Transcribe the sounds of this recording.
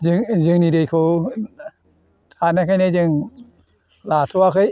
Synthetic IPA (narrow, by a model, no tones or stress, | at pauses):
zɯŋzɯŋnidɯjkʰɯ | anakʰajnezɯŋ | latʰɔakʰɯj